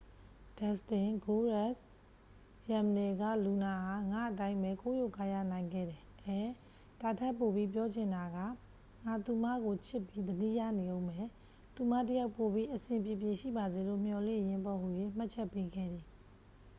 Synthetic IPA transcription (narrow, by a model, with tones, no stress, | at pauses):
d̥ɛ˨stɪ̃˨ɡo˦ɹa˦˨s | jã˨məne˨ɡa̰˦˨lu˨na˨ha˨ŋa̰˦˨ʔət̬ã˦ɪ̃mbɛ˨ko˦jo˦˨ka˦˨ja̰˦˨nã˨ɪ̃ŋɡɛ̰˦˨dɛ˨ʔɛ˨ | d̥a˨tʰɛ˦˨pːo˨bi˦p̬jɔ˦d͡ʑɪ̃˨nda˨ɡa̰˦˨ | ŋa˨t̪u˨ma˦˨ɡo˨t͡ɕʰɪ˦pːi˦d̪ədi˦˨ja̰˦˨ne˨õ˦ʊ̃mɛ˨ | t̪u˨ma̰˦˨tə˦ja˦ʊpːo˨bi˦ʔəsɪ̃˨mpjɪ˨pjɪ˨ʃḭ˦˨ba˨ze˨lo̰˦˨m̥jɔ˨lɪ̰̃˦˨jɪ̃˦mpɔ˨ɦu˨jwe˦˨m̥a˦ʔt͡ɕʰɛ˦pːe˦ɡɛ̰˦˨d̪i˨